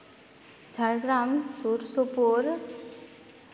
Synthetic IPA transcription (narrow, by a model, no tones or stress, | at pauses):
d͡zʱaɾɡɾamsuɾsopoɾ